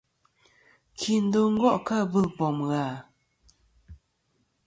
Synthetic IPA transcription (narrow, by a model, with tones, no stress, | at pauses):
kʰi˨n̩˦do˨˦ŋ̩˦ɡwɔ˦˨ʔka˦˨bə˦˨pɔ˨mɣa˨